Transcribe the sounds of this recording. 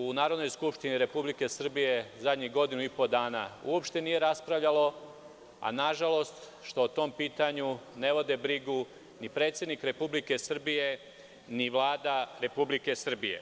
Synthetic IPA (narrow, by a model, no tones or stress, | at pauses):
unaːɾod̪no̞jskupʃt̪iniɾe̞publike̞sr̩bije̞zad̪ɲiɡo̞d̪inuipo̞d̪aːnaṵopʃt̪e̞nije̞ɾaspɾaʋʎalo̞ | a̰naʒalo̞st̪ | ʃt̪oːt̪o̞mpiːt̪aɲune̞ʋo̞d̪e̞bɾiɡu | nipɾe̞ːt̪sje̞d̪nikɾe̞publike̞sr̩bije̞ | niʋlˠaːd̪aɾe̞publike̞sr̩bije̞̰